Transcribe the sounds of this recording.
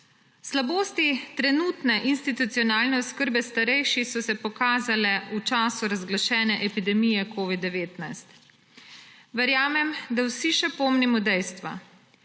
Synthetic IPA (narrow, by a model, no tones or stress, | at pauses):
slaboːst̪it̪ɾɛnuːt̪nɛʔinst̪it̪ut̪sijɔnaːlnɛuskəɾbɛst̪aɾɛjʃisɔsɛpɔkaːzalɛut͡ʃaːsuɾazɡlaʃɛːnɛʔɛpid̪ɛmijɛkʰoːʋid̪ːɛʋeːt̪najst̪ | ʋɛɾjaːmɛmd̪awsiʃɛpoːmnimɔd̪ɛjst̪ʋa̰